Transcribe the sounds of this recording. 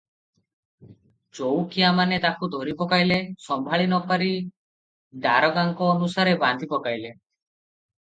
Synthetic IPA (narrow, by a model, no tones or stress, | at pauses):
t͡ʃowkiamanet̪akud̪ʱoɾipɔkajlesɔmbʱaɭinɔpaɾi | d̪aɾɔɡaŋkɔːnusaɾeband̪ʱipɔkajle